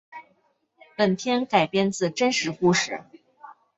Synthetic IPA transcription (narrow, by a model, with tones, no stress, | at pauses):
pə˨˩nt̪ʰjɛ˥nka˨˩ɪpjɛ˥˧nt͡sɹ̩˥˩ʈ͡ʂə˥nʂɻ̩˧˥ku˥˧ʂɻ̩˥˩